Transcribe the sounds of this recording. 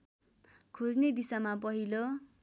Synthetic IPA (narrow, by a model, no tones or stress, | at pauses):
kʰod͡zned̪isamapʌɦilo